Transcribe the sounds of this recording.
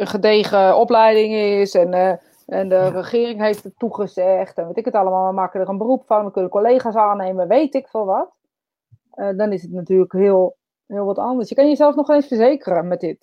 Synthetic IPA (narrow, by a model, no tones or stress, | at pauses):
ənχədeːχəɔplɛjdɪŋɪsɛn | ɛndərəχɪːrɪŋɦeftətːuχəzɛxtɛnʋɪtɪkətalˠəmaːlˠəmaːkədərənbərupfɔnʋəkønəəkoleːχasaːneːməʋeːtɪkfɔnˠʋɔt | ədɔnɪsətnatyːələkhɪəlˠ | ɦɪːlˠʋɔtandəsjəkanjəzɛlˠsnɔxeːnsfərzeːkərəmɛt̚dɪt̚